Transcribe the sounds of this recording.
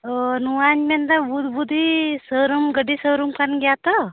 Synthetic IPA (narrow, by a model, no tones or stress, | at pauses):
ənuanmend̪abud̪bud̪ʱisəɾumɡəɖisəɾumkanɡjat̪ə